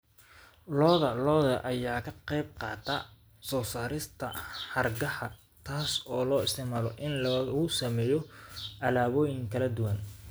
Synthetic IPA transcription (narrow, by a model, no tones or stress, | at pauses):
lɔːðɐlɔːðɐʔɐjaːkʰɐqɛjb̚qɑ̰ːt̪ʰɐ | sɔːsaːɾɪst̪ʰɐħɑrɡɐħɐ | t̪ʰaːsɔːlɔːɪst̪ɪʕmaːlɔʔɪnlɐɣʊsɐmɛːjɔʔɐlaːβɔːjɪŋkʰɐlɐd̪ʊwɐn